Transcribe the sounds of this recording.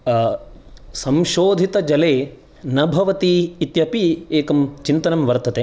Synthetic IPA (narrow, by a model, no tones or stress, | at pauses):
sɐmʃoːd̪ʱit̪ɐd͡ʒɐleː | nɐbʱɐʋɐt̪iːt̪jɐpieːkɐmt͡ʃint̪ɐnɐmʋɐɾt̪ʰɐt̪e